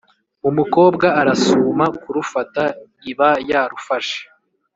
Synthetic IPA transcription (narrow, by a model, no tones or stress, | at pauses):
umuko̞ːbɡaːɾasuːmakuɾufata | iβajaːɾufaʃe̥